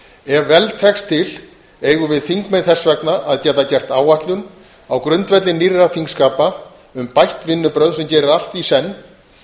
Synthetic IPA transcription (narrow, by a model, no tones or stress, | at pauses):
ɛvvɛlt̪ʰɛkst̪ʰɪl | eːjɣʏvɪðθiŋkmejðθɛsvɛknaʔaðcɛt̪ːacɛr̥t̪aːwaht̪lʏn | awkɾʏnt̪vɛt̪lɪniraθiŋkskaːpa | ʏmpajht̪vɪnːʏpɾœðsɛmcɛːɾɪɾal̥t̪isɛnː